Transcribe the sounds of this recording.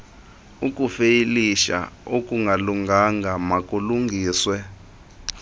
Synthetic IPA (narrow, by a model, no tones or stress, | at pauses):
ukʼufeiliʃa̰okʼuŋɡʱaluŋɡʱaŋɡʱamakʼuluŋɡʱiːswɛ